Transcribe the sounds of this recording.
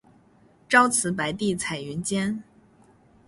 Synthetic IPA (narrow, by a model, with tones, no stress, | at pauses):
ʈ͡ʂɑ˥ʊt͡sʰɹ̩˧˥p̬a˧˥ɪt̪i˥˩t͡sʰa˨˩ɪy˧˥nt͡ɕjɛ˥n